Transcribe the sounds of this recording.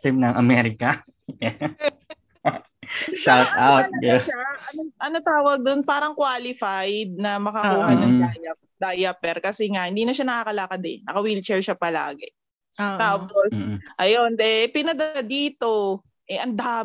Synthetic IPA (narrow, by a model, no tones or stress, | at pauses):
t̪ɛmnɐŋʔɐmɛɾɪkɐ | ʃawt̪awt̪̚aɐnoʔɐnot̪aːwɐɡ̚d̪onpaːɾɐŋkwaːlɪfajd̪̚nɐmɐkɐkuːhɐnɐŋajɐ | d̪ajɐpɛɾkɐsɛŋahɪnd̪iːnɐʃanɐkakɐlaːkɐd̪ɛ̰nnːɐkɐwilt͡ʃɛɹʃapɐla̰ːɡɛ | t̪aːposʔɐjonɛpɪnɐd̪ɐad̪iːt̪o̞ | ʔɛʔɐnd̪aː